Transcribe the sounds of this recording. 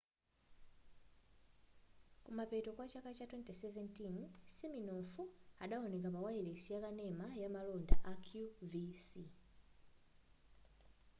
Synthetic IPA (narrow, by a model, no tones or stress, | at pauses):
kumapɛtɔkwat͡ʃakat͡ʃatwɛntɛsɛvɛntinsiminɔfuaɗaɔnɛkapawailesijakanɛmajamalɔnda̰ʔakʰjuvisi